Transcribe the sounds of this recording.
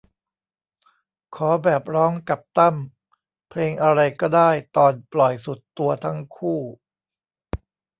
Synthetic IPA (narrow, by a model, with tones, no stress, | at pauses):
kʰɔː˩˦bɛː˨˩p̚ɾɔː˦˥ŋka˨˩p̚t̪a˥˩m | pʰleː˧ŋʔa˧ɾa˧jkɔː˥˩daː˥˩jt̪ɔː˨˩nplɔ˨˩jsu˨˩t̪ːu˧ɐt̪ʰa˦˥ŋkʰuː˥˩